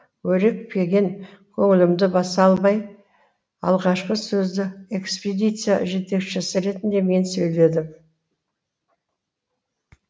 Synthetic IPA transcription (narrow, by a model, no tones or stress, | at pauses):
wɵɾɪk̚pʰe̞ɡʲe̞ŋkʲʰɵŋɪlɪmd̪ɪbɑsɑlˠmɑj | ɑ̰lˠʁɑʃqəsɵzd̪ɪe̞ksped̪ijt̪sɨja̰ʒe̞t̪e̞kʃɪsɪɾe̞t̪ɪnd̪e̞me̞nsɵjle̞d̪ɪm